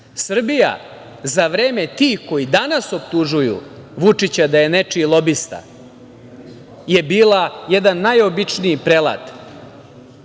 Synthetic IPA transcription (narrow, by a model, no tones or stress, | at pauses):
sr̩bija̰ | zaʋɾeːme̞t̪iːko̞jid̪anaso̞p̚t̪uʒujṵʋut͡ʂit͡ɕad̪aje̞ne̞t͡ʂilˠo̞bist̪a̰ | je̞biːlajed̪anːajo̞bit͡ʂniipɾela̰t̪